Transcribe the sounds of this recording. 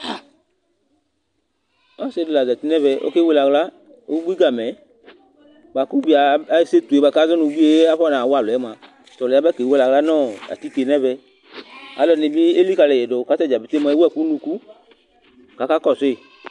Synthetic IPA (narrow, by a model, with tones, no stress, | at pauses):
ɔ˦se˧˨de˨˧la˨da˨ti˦nɛ˦vɛ˧ʔo̰˦ke˦we˧la˧ɡla˦ | o˦ɡ͡bi˦ɡa˨mɛ˨˦ | ba˨ku˦ɡ͡bi˧a˧˨˧se˦t̪u˨e˨˦ba˧ka˦zɔ˦nũ˧ɡ͡bi˦e˧˦a˦fɔ˦nã˨wa˦˨lɛ˨˦mã˧ | tɔ˨lɛ˨a˦ba˦ke˨˦we˦la˨˧ɡla˦nɔː˦˨a̰˨ti˦ke˧nɛ˦vɛ˧ | a̰˨˦lɔ˧ni˧bi˦e˦li˦ka˧lɛ˨ɛ˨do˨ka˨˦tɛ˦˨d͡ʒa˨bi˨te˦mã˧e˦wɛ˦˨ku˦nũ˧ku˦ | ka˨˧ka˦kɔ˦˨se˦˨